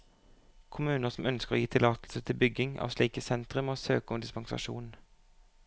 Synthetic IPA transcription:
kʰʊmʉːnəʁsɔmœnskəʁoːjiːt̪ʰɪlɑːt̪l̩sət̪ʰɪlbʏɡɪŋɑ̰ːʋsliːkəsɛnt̪ʁʉmoːsøːkʊmd̪ɪspɛŋsɑ̰ʃṵːn̩

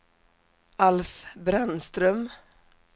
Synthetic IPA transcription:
alfbɾɛnst̪ɾœm

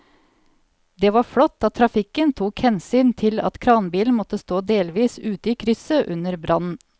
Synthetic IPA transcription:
d̪ɛʋɑːflɔt̪ːɑt̪ʰːɾɑfɪkənt̪ʰuːkhɛnsyːnt̪ʰɪlɑ̰t̪kʰɾɑːnbiːln̩mɔt̪ːəst̪oːd̪eːlʋiːsʉːt̪əiːkʰɾʏsəʔʉnəɾbɾʔɑnn̩

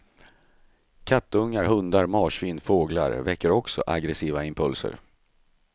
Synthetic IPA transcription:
kʰat̪ːəɵŋːaɾɦɵnd̪aɾmɑːʂvɪnfoːɡla̰ɾvɛkːəɾɔksɔʔaɡɾɛsiːvaɪmpʰɵlsə̰ɾ

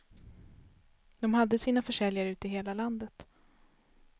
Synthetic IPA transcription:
d̪̥ɔmhad̪ːəsiːnafœʂɛljaɾʉ̟ːt̪ɪɦeːlaland̪ət̪

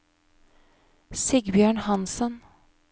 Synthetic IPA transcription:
sɪɡbjøːɳhɑnsən

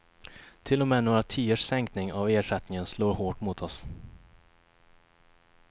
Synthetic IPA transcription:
t̪ʰɪlːɔmɛːnoːɾat̪ʰiːəʂsɛŋknɪŋaveːʂɛt̪nɪŋənsloːɾhoːʈmuːt̪ʰɔs

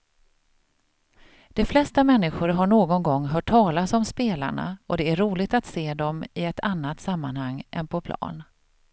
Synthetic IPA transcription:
d̪̥ɛflɛst̪amɛnːɪɧʊɾɦaɳoːɡɔnɡɔŋːɦœːʈʰːɑːlasɔmspeːla̰ɳa̰ɔd̪ɛæɾuːlɪɡ̚t̪at̪seːd̪ɔmɪɛt̪ʰanːat̪samːanhaŋːʔɛ̰npʰɔpʰlɑ̰ːn

